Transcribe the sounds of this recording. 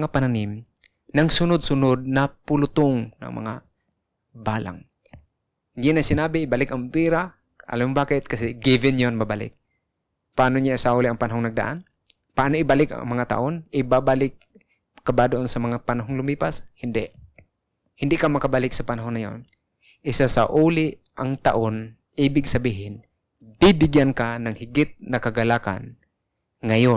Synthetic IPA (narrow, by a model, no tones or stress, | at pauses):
ŋapɐnanɪm | nɐŋsʊnod̪̚sʊnod̪̚nɐpʊlʊt̪oŋnɐ̰ŋmɐ̰ŋa | baːla̰ŋ | jɪnɐjsɪnaːbɪɪbalɪkɐŋpiːɾa | ʔɐ̰lambaːkɪt̪̚kɐsɛɡɪbɪnjonmabalɪ̰k̚ | paʔaːnoɲaʔɪsaulɪʔɐŋpɐnɐɦoŋnɐɡ̚d̪a̰ʔa̰n | paʔaːnoʔɪbalɪka̰ŋmɐŋat̪a̰ʔonɪbabalɪk̚ | kɐbad̪oʔonsɐmɐŋapɐnɐɦoŋlʊmiːpashɪnd̪ɛʔ | hɪnd̪ɪʔkamɐkabalɪk̚sɐpɐnɐɦonːɐjo̰n | ʔɪsasaʔuːlɪ | ʔaŋt̪a̰ʔon | ʔiːbɪɡsɐbiːɦɪn | bibɪɡjankanɐŋhɪɡɪt̪̚nɐkɐɡɐlaːka̰n | ŋɐjon